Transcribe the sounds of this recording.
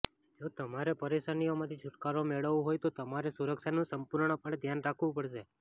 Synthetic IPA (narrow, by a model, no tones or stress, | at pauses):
d͡ʒot̪əmaɾepəɾeʃanijomãt̪ʰit͡ʃʰuʈkaɾomeɭəʋũɦojt̪ot̪əmaɾesuɾəkʃanũsəmpuɾɳ̃əpəɳ̃ed̪ʱjanɾakʰʋũpəɽʃe